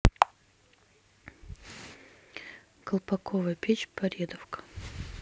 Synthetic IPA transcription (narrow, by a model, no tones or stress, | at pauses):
kəlˠpɐkʰovəjpʲet͡ɕpɐɾʲed̪əfkə̥